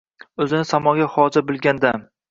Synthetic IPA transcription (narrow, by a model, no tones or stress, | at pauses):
ɵzɪnɪsamɒɡʲahɒd͡ʒabɪlˠɡʲand̪a